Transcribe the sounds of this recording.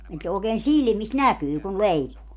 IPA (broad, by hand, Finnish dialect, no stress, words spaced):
et se oːkeːn silmis nækyː kun leipuː